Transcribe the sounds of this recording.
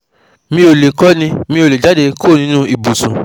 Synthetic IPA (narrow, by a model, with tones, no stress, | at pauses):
mĩ˧˦o˨le˨kɔ˦nĩ˧mĩ˧o˨le˨d͡ʒa˨˦de˧kʰo˦˨nĩ˧˦nũ˦i˨bu˨sũ˨